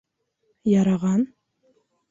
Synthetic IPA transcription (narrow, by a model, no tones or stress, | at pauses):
jɑɾɑʁɑn